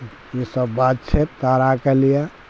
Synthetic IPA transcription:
jisəbːat̪̚t͡ʃʰet̪t̪aɾakelija

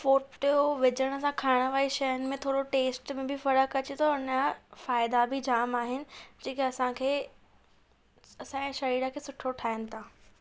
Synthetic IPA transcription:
foːʈjoʋɪd͡ʑəɽ̃ɐsãkʰaːɪɽ̃əʋaːiʃɐjənɪ̆mẽt̪ʰoːɽoʈeːsʈmẽbʱɪfɐɾəkɐt͡ɕit̪ʰoʊnafaːɪd̪abʱid͡ʑaːmaːɦɪnɪ̆d͡ʑeːkiɐsãkʰeː | ɐsãɛ̃ːʃɐɾiːɾəkʰeːsʊʈʰoʈʰaːjənɪ̆t̪ʰãː

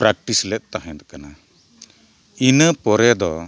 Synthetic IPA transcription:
pɾak̚ʈislɛt̪̚ˀt̪aɦɛ̃d̪ɔkana | inəpɔɾɛd̪ɔ

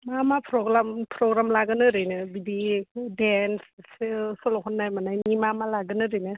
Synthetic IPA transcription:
mamapʰɾɔɡɾampʰɾɔɡɾamlaɡɯnɯɾɯjnɯbibidenssɯsɔlɔɦʰɔnːajmanajnimamalaɡɯnɯɾɯjnɯ

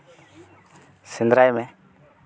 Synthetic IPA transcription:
sɪnd̪ɾajmɛ̃

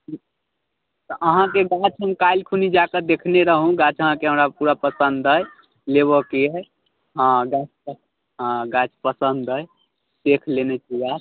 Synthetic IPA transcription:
t̪ɔʔəɦãkeɡat͡ʃʰɦəmkajlkʰunid͡ʒakəd̪ekʰneɾəɦũɡat͡ʃəɦãkeɦəmɾapuɾapəsənd̪əj | leβɔke | ə̃ɡat͡ʃə | ɡat͡ʃpəsənd̪əj | d̪ekʰlenet͡ʃʰiɡat͡ʃ

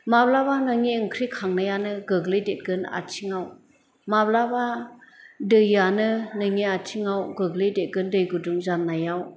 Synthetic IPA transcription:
mablabanɯŋiɯŋkʰɾikʰaŋnajanɯɡɯɡlɯjdet̚ɡɯna̰tʰiŋaw | mablaba | dɯjːanɯnɯŋiatʰiŋawɡɯɡlɯjdet̚ɡɯndɯjɡɯduŋzanːajaw

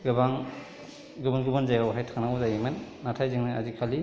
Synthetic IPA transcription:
ɡɯbaŋ | ɡubanɡubanzajawɦajtʰaŋnawzajemɯnːatʰajzɯŋnaazikʰali

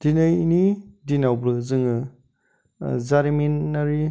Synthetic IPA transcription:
d̥inɯjinidinawbɾɯzɯŋɯ | zaɾiminnaɾi

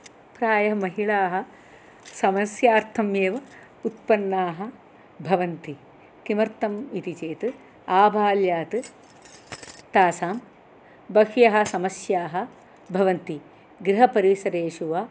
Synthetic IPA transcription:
pɾaːjɐmɐɦiɭaːɦɐ̆ | sɐmɐsjaːɾt̪ʰɐmjeːʋɐ | ut̪̚pɐnːaːɦɐ̆ | bʱɐʋɐnt̪i | kimɐɾt̪ɐmit̪it͡ʃeːt̪ɨ | aːbʱaːljaːt̪ɨ | t̪aːsaːm | bɐkjɐɦɐ̆sɐmɐsjaːɦɐ̆ | bʱɐʋɐnt̪i | ɡɾiɦɐpɐɾisɐɾeːʂuʋaː

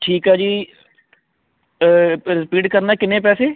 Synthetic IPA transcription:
ʈʰiːkɦɛːd͡ʒiː | ɾɪpiːʈkəɾnaːkɪnẽːpɛːseː

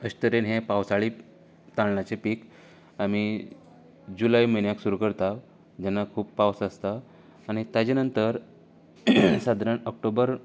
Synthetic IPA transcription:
əɕt̪əɾenɦẽpawsaɭi | t̪aɽlat͡ɕepiːk | ami | d͡ʑulajməjnjaksuɾukəɽt̪a | d͡ʑanːakʰuːppawsast̪aː | ñit̪at͡ɕenənt̪əɾ | sad̪ʱɾəɳək̚ʈobəɾ

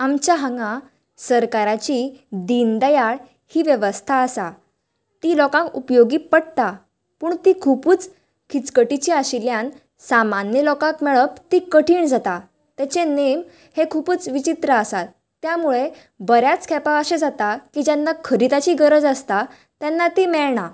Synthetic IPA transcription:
amt͡ɕjaɦaŋɡã | səɾkaɾat͡ɕid̪ind̪əjaɭ | hiːʋjəʋəst̪ʰaːsa | t̪ilɔkãŋkupjoɡiːpəɽt̪a | puːɳt̪ikʰupuːt͡s | kʰit͡skəʈit͡ɕiaɕiljan | samanjəlɔkãkmɛɭəpt̪ikəʈʰiːɳd͡zat̪a | t̪at͡ɕenem | hekʰupuːt͡sʋit͡ɕit̪ɾəəsat̪ːjamuɭe | bəɾjat͡skʰɛpaəɕed͡zat̪akid͡ʑanːakʰəɾit̪at͡ɕiɡəɾəd͡zəst̪a | t̪janːat̪imɛɭɳa

